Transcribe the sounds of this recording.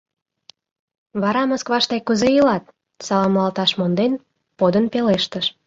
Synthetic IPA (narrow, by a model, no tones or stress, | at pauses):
βɑɾɑməskβɑʃt̪ɑjkuzejilɑt̪̚ | sɑlɑmlɑlt̪ɑʃmond̪en | pod̪ənpeleʃt̪əʃ